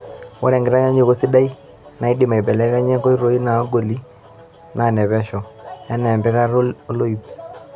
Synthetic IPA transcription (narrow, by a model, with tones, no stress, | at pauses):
wɔ˦ɾɛ˨ŋɡɪ˨ɾa˦ɲa˦ɲe˨ko˦si˦da˦i˦ | na˨i˦dɪ˨ma˨i˨bɛ˨lɛ˦ka˦ɲɛ˦ko˦i˦ɾo˨˦i˦na˨˦ɡo˨li˦ | nʔa˨nɛ˨bɛ˦ʃɔ˨ja˦nɛ˨mbɛ˦ka˦ɾo˦o˦lo˦i˨p